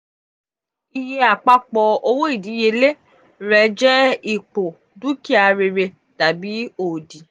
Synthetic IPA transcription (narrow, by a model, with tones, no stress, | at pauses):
i˧je˧a˨k͡pa˧˦k͡pɔ˧o˧wo˦i˦˨di˨˦je˧le˦ | ɾɛ˨˦d͡ʒɛ˦i˨k͡po˨ | du˦ki˦a˧ɾe˧ɾe˧ | ta˨bi˨˦oː˨di˨